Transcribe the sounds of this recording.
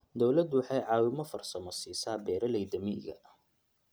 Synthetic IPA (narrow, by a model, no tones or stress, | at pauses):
d̪ɔwlɐd̪wɑħɑjʕɑːwɪmɔfɐrsɐmɐsiːsaːbɛːɾɐlɛjd̪ɐmḭɡɐ̰